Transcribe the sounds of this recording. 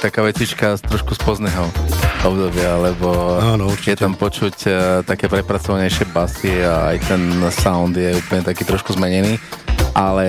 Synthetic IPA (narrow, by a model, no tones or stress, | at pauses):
t̪akaːʋɛt͡sit͡ʃkast̪ɾɔʃkuspɔznɛːɦɔɔbd̪ɔbɪalɛbɔanɔuɾt͡ʃjɛt̪ampɔt͡ʃuct̪akɛːpɾɛpɾat͡sɔʋaɲɛjʃɪɛbasiaa̰jt̪ɛnsaʊnd̪jɛuːpl̩ɲɛt̪akiːt̪ɾɔʃkuzmɛɲɛniːʔalɛ